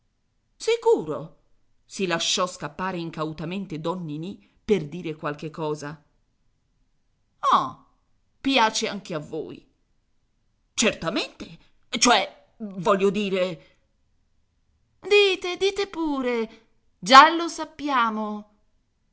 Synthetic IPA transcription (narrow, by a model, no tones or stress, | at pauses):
sikuːɾo | silaʃːɔskapːaːɾeiŋkawt̪ament̪ed̪ɔnːini | perd̪iːɾekwalk̟ekːɔːza | ɔ | pjaːt͡ʃeaŋk̟eavːo̰ːj | t͡ʃert̪ament̪e | t͡ʃoɛ | vɔʎːod̪iːɾe | d̪iːt̪ed̪iːt̪epuːɾe | d͡ʒalosapːjaːmo